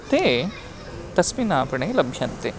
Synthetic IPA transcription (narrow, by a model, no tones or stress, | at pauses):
t̪e | t̪ɐsminaːpɐɳelɐbʱjɐnt̪e